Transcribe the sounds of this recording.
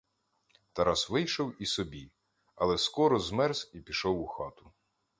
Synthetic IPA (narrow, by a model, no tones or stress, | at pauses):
t̪ɐɾɑsʋɪjʃɔwisɔbʲi | ɐlˠɛskɔɾɔzmɛɾzipʲiʃɔwʊxɑt̪ʊ̥